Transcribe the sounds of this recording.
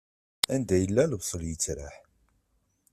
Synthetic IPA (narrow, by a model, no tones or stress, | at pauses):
ænd̪æjəlːælvsˤəljət͡sːɾa̰ħ